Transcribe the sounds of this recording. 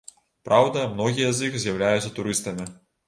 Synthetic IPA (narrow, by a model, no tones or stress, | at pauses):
pɾʔawd̪ɐmnɔɣʲijɛzjixzʲjɐwlʲajut̪sʲːɐt̪uɾɨst̪ɐmʲi